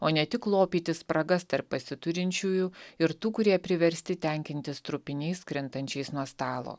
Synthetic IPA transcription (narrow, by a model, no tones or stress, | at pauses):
oːnʲɛt̪ʲɪklˠoːpʲiːt̪ʲɪspɾɐɡɐst̪ɐɾppɐsʲɪt̪ʊɾʲɪnʲt͡ʃʲuːjʊɪɾt̪uːkʊɾʲiɛpʲɾʲɪʋʲɛɾʲsʲt̪ʲɪt̪ʲɛŋʲkʲɪnʲt̪ʲɪst̪ɾʊpʲɪnʲɛɪskɾʲɪnt̪ɐnʲt͡ʃʲɛɪsnuɔst̪ɑːlˠo̰ː